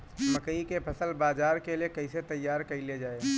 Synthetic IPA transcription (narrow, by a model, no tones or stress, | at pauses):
mɐkəikepʰɐsəlbaːzaːɾkeliekɐɪset̪ɐjːaːɾkɐiled͡ʒaːe